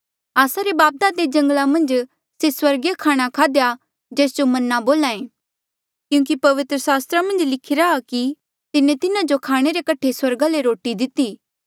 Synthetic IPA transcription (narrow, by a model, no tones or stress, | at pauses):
aːsaɾebaːp̚d̪ad̪ed͡ʒɐ̃ŋɡlamɐ̃nd͡ʒ | seswɐɾɡjakʰaːɽ̃akʰaːd̪eja | d͡ʒeːsd͡ʒomɐnːaboːlaːẽː | kjũːkipɐʋɪt̪ɾəsaːst̪ɾamɐ̃nd͡ʒlɪkʰɪɾaːki | t̪ɪnẽt̪ɪnãd͡ʒokʰaːɽ̃eɾekɐʈʰeswɐɾɡaleɾoːʈid̪ɪt̪iː